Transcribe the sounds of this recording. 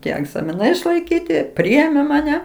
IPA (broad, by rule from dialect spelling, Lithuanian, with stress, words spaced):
ˈtʲiɛ ɛɡzɐmʲɪˈnɐɪ ɪʃlˠɐɪˈkʲiːtʲɪ ˈpʲrʲɪeːmʲeː mɐˈnʲɛ